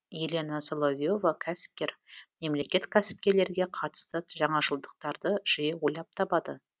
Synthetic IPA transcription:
jelʲe̞nasolˠovʲijo̞vakʲʰæsɪ̥p̚kʲe̞ɾme̞mle̞kʲe̞t̪kʲʰæsɪ̥p̚kʲe̞ɾle̞ɾɡʲe̞qʰɑt̪ə̥st̪ət̪ʒɑɴɑʒəlˠd̪əq̚t̪ɑɾd̪əʒ̥ijewo̞jlˠɑp̚t̪ʰɑpɑd̪ə

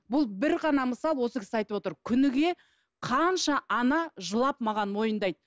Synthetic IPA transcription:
bʊlˠbɪɾʁɑnɑməsɑlˠwo̞səkʲʰɪ̥sɑjt̪əwot̪əɾkʲʰʏnɪɡʲe̞ | qʰɑnʃɑʔɑnɑʒəlˠɑpmɑʁɑnmo̞jənd̪ɑjd̪

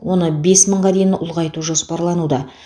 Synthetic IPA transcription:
wʔo̞nəbe̞sməɴʁɑd̪e̞jɪnʔʊlˠʁɑjt̪uʒo̞spɑɾlˠɑnud̪ɑ

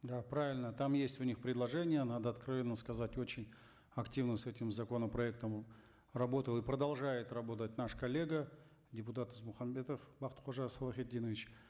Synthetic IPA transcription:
d̪apɾavʲɪlʲnət̪amjesʲtʲʊnʲixpɾʲɪd̪lˠɐʐɛnʲɪjənad̪əɐt̪kɾɐvʲe̞nːəskɐzatʲo̞t͡ɕɪnʲ | ɐktʲivnəsɛtʲɪmzɐko̞nəpɾɐɛk̚t̪əm | rɐbo̞t̪əlˠɨpɾəd̪ɐlˠʐajɪt̪rɐbo̞t̪̬ət̚ʲnaʂkɐlʲːe̞ɡə | dʲɪpʊt̪at̪ɨzmʊxɐmbʲet̪əfbaχt̪χoʐasɐlˠɐxʲɪdʲinəvʲɪt͡ɕ

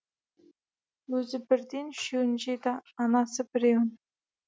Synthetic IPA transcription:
wɵzɪbɪɾd̪enʃɵwnʒed̪ɑːnɑsəbɪɾewɪn

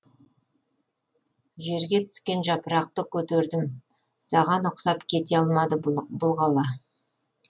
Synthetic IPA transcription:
ʒe̞ɾɡʲe̞t̪ʰʏ̥skʲe̞nʒɑpəɾɑq̚t̪əkʲʰɵt̪eɾd̪ɪm | sɑʁɑnʊqsɑpkʲʰe̞t̪e̞ɑlˠmɑd̪əbʊlˠʁɑlˠɑ

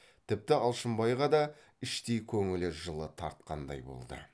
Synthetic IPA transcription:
t̪ʰɪp̚t̪ɪɑlˠʃəmbɑjʁɑd̪ɑ | ɪʃt̪ejkʲʰɵŋɪlɪʒəlˠət̪ʰɑɾt̪̚qɑnd̪ɑ̰jbo̞̰lˠd̪ə̰

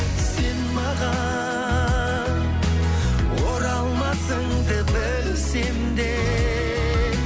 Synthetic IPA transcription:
senmɑʁɑ | woɾɑlˠmɑsəɴd̪əbɪl | send̪e

